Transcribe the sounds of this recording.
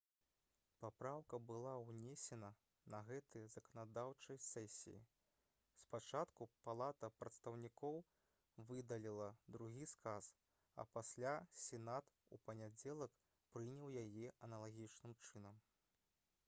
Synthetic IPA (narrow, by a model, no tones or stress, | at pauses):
papɾawkɐbɨlˠawnʲesʲɛnɐ | nɐɣɛt̪ɨjɐz̥ɐkɐnad̪awt͡ʂɐjsɛsʲḭjḭ | spat͡ʂat̪kupalˠat̪ɐpɾɐt̪st̪ɐwnʲikɔw | vɨd̪ɐlʲilˠɐd̪ɾuɣʲiskas | ɐ̰pasʲlʲasʲɛnat̪ | ṵpɐnʲad͡zʲɛlˠɐk | pɾɨnʲɐwjajɛʔɐnɐlˠaɣʲit͡ʂnɨmt͡ʂɨnɐm